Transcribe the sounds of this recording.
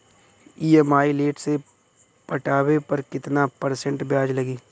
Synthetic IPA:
iːemaːileːʈse | pəʈaːwepɐɾkɪt̪napɐɾsə̃ɳʈbjaːd͡ʒlɐɡiː

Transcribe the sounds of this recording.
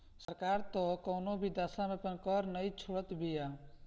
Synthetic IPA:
səɾkaːɾt̪okoːnobʱid̪aːsãmẽpənkɔɾnəĩt͡ʃʰoɽət̪bʱijaː

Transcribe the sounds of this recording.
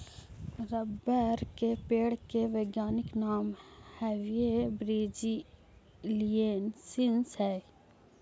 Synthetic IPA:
ɾɐbəɾkepeːɽkeʋeːɡjaːniknaːmhɛwiebɾiːd͡ʒi | lieːnsinshɛ

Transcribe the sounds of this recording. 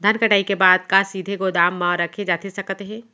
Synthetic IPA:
d̪ʱɐnkɐʈaːikebaːd̪̚kasiːd̪ʱeɡod̪aːmːãɾɐkʰed͡ʒaːt̪esɐkt̪eɦɛ̃ː

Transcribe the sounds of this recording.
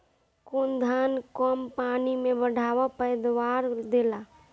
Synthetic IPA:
kund̪ʱaːnkɔmpaːnimẽbəɽ̤ʱaːʋapəjd̪waːɾd̪eːla

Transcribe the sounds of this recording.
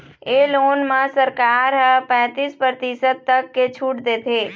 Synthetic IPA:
eːloːnmãsəɾkaːɾɦpɛ̃ːt̪iːspəɾt̪isəd̪̚t̪əkːet͡ʃʰuːʈd̪eːt̪ʰeː

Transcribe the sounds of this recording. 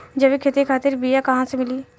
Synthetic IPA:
d͡ʒɐbekʰet̪ikʰaːt̪ɪɾbijakɐɦãsemɪliː

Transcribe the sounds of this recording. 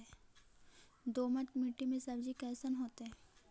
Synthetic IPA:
ɛ | d̪oːmət̪miʈːimẽsɐbd͡ʒikɛːsənɦoːt̪eɦɛ̃ː

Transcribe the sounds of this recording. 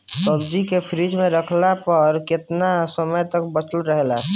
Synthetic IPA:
səbd͡ʒikepʰɾid͡ʒmẽɾəkʰlapəɾkɪt̪nasəməjt̪əkbət͡ʃəlɾəɦla

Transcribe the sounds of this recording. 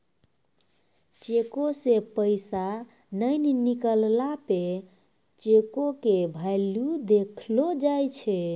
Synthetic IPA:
t͡ʃekosepəɪsa | nəjnnikəllape | t͡ʃekokebʱajlud̪ekʰlod͡ʒajt͡ʃʰɛ

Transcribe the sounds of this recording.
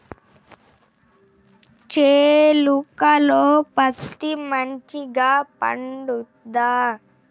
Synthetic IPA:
t͡ʃeːlukɐloːpɐt̪ːimɐɲt͡ʃiɡaːpɐ̰ɳɖud̪aː

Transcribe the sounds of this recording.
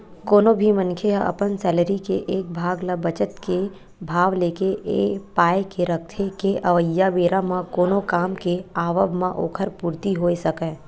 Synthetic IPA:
koːnõbʱimə̃nkʰeaʔɐ̰pənsɛːləɾikeʔeːk̚bʱaːɡlabət͡ʃət̪ke | bʱaːʋleːkeʔeːpaːekeɾɐk̚ʰt̪ʰekeʔɐʋəjːaʋeːɾamãkoːnokaːmkeaːʋəbmãʔo̰ːkʰəɾpuːɾt̪iɦoːesɐkɛ̃ː

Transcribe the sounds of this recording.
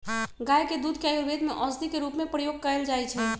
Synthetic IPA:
ɡajked̪ud̪ʱkjajɾbed̪meʔəsd̪ʱikeɾupmepɾəjoɡ̚kəɾeld͡ʒajt͡ʃʰɛ

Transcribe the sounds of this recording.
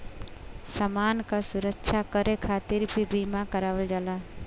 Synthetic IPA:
səmankasuɾəkːʃʰakəɾekʰat̪iɾbʱibimakəɾaʋəld͡ʒaːla

